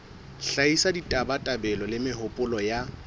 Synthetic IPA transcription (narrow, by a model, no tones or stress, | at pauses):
ɬaisaditʼabatʼabɛlɔlɪmɪɦʊpʼʊlɔja